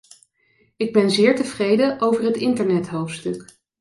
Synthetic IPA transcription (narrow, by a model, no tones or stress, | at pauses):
ɪɡ̚bɛnzɪːɹtəvrejdəʔowvəɹɦətɪntəɹnɛtɦowftstɵk